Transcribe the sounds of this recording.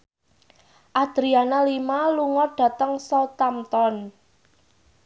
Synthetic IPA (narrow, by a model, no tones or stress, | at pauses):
ʔad̪̥ɾianalimaluŋɔrɖ̥ä̤t̪əŋsɔt̪amt̪ɔn